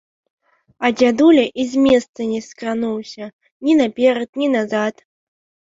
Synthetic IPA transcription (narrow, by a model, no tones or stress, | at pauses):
ɐd͡zʲad̪ulʲɐʔizʲmʲɛst̪sɐnʲɛskɾanuwsʲɐ | nʲinapʲɛɾɐt̪̚nʲinazat̪